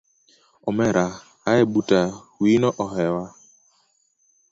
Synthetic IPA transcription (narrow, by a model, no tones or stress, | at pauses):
ɔmɛɾʔa | aɛbuta | winɔʔɔɦɛwa